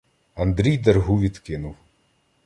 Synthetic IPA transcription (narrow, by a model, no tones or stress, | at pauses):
ɐnd̪ɾʲijd̪erɦuʋʲid̪kɪnʊw